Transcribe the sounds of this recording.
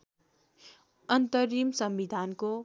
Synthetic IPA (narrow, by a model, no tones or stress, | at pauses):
ʌnt̪əɾimsʌmbid̪ʱanko